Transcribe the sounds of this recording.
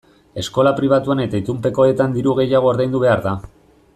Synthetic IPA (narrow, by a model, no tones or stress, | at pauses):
e̞sko̞lapɾiβ̞at̪uane̞t̪ait̪umpe̞ko̞et̪and̪iɾuɣ̞e̞jaɣ̞o̞ːɾðajnd̪uβe̞aɾða